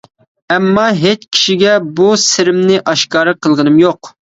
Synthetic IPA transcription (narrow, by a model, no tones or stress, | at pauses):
ɛmːɑɦet͡ʃkʲʰi̥ʃiɡʲɛbusɪɾɪmnɪʔɑʃkɑːɾɨqʰəlˠʁənɨmjoq